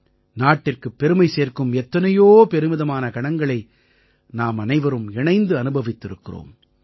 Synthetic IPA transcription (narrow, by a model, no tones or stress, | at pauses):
naːʈːɪrkɯpːɛɾɯmɐɪseːrkɯmɛt̪ːɐnɐjoːpɛɾɯmɪðɐmaːnɐkɐɳɐŋɡɐɭɐɪ | naːmɐnɐɪʋɐɾɯmɛɳɐɪnd̪ɯɐnɯbɐʋɪt̪ːɪɾɯkːɪro̰ːm